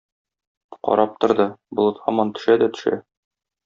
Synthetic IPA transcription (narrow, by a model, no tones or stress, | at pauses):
qɒ̰ɾʔɑp̚t̪ŏɾd̪ɤbŏlˠɤ̆t̪hɒmɑnt̪ɵ̥̆ʃæd̪æt̪ɵ̥̆ʃæ̰